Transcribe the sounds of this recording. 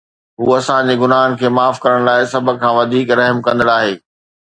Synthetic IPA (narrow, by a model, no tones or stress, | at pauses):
ɦuːɐsãd͡ʑeɡʊnaːɦən̆kʰeːmaːfkɐɾəɽ̃laːɪsɐbʱə̆kʰãːʋɐd̪ʱiːkɾɐɦmkɐ̃nd̪əɽaːɦeː